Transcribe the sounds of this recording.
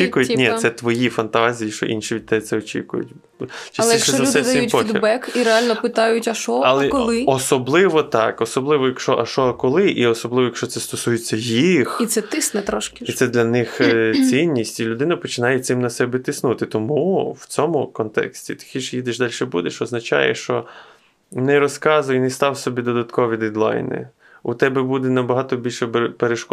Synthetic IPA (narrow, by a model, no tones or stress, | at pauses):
ikʊjɪnʲɛsɛt̪ʋɔjifɐnt̪ɑzʲijiʃt͡ʃɔ̰ʔḭnʃiʋʲid̪t̪ɛt̪sɛɔt͡ʃḭkʊ̰jʊ̰tʲ | t͡ʃɪlˠɛʃzɐd̪ɛd̪ʲɐiut̪ʲpɔik̪ʲd̪bɛkiɾealʲnɔpɪt̪ɑjʊtʲɐʃɔɐlˠɛkɔlˠɪɔsɔblˠɪʋɔt̪ɑ̰kɔsɔblˠɪʋɔjɐkʃɔʔɐʃɔɐkɔlˠɪʔiɔsɔblˠɪʋɔjɐkʃt͡ʃɔtsɛst̪ɔsujet͡sʲːɐjixit̪sɛt̪ɪsnɛt̪ɾɔʃkʲɪisɛd̪lʲɐnɪxt͡sʲinʲːisʲtʲilʲʊd̪ɪnɐpɔt͡ʃɪnɑjesɪmnɐsɛbɛt̪ɪsnut̪ɪt̪ɔmuwt͡sʲɔmʊkɔnt̪ɛ̰ksʲtʲit̪ɪ̥xʲiʃjid̪ɪʃd̪ɑlʲʃɛbud̪eʃɔznɐt͡ʃɑ̰jɛ̰ʃt͡ʃɔ | nɛɾɔskɑzʊjɛnɛst̪ɑwsɔbʲid̪ɔd̪ɐt̪kɔʋʲid̪ɛd̪lˠɑ̰jnɪ̰ | ut̪ɛbɛbud̪ɛnɐbɐɦɑt̪ɔbʲilʲʃɛbpeɾeʃkɔ